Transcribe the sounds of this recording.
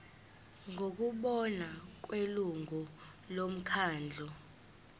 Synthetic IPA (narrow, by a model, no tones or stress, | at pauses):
ŋok̬uɓɔnak̬weluŋu | lom̩kʰaːnd͡ɮʱɔ